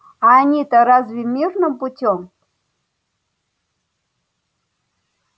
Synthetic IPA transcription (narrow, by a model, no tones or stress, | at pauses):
anʲit̪əɾazvʲemʲirnɨmputʲom